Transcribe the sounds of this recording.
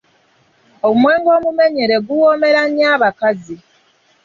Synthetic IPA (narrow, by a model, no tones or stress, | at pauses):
oumwe̞ːŋɡo̞ːmume̞ɲeɾe̞ɡuwome̞ɾaɲiaːβakazi